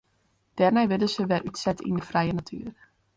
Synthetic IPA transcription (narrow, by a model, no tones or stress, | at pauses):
d̥ɛrnɛjʋɪdəsəʋɛrʔytsɛtḭndəfrɛjənatʰy̰ːr